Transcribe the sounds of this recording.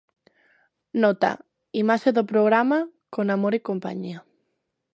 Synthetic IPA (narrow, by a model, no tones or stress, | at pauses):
nɔt̪a̰ | imaʃeðopɾoɣ̞ɾamakonamoɾikompa̰ɲia